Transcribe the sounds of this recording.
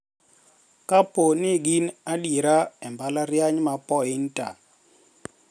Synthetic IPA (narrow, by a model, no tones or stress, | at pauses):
kaponɪɡinaɗiɾaɛmbalaɾjaɲmapɔɪnta̰